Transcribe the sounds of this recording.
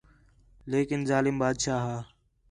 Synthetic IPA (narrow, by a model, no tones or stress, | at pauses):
leːkɪnzaːlɪmbaːd̪ʃaːɦaː